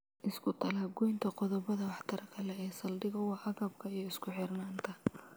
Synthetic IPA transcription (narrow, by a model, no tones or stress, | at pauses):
ʔɪskʰʊt̪ʰɐlaːbɡɔjnt̪ʰɐqɔðɔbɐðɐwɑħt̪ʰɐɾɐkʰɐlɛɛːsɐld̪ɪɣɐwɑːʔɐɣɐb̚kʰɐijɔɪskʰʊħɪrnaːnt̪ʰɐ